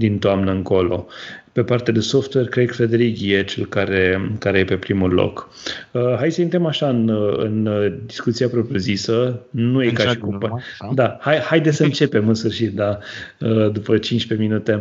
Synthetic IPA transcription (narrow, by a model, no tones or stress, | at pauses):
d̪int̪oamnəɨŋko̞lo̞̰pe̞part̪ead̪eso̞ft̪werkɾekfɾed̪eɾiɡʲijet͡ʃelkaɾekaɾe̞je̞pe̞pɾimulo̰k | əɦajd̪səint̪ɾəmaʃaɨnɨ̰nd̪iskut̪siapɾopɾjozisənujekaʃikupd̪ahajhajd̪esəɨnt͡ʃe̞pe̞mɨnsfɨrʃit̪̚d̪aəd̪upət͡ʃint͡ʃpe̞minut̪e̞